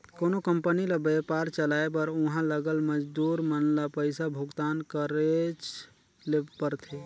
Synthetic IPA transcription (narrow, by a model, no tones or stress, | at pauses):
koːnokəmpənilabepaːɾt͡ʃəlaːebəɾʊɦãləɡəlməd͡ʒd̪uːɾmənlapəɪsabʱʊɡt̪aːnkəɾet͡ʃ | lepəɾt̪ʰe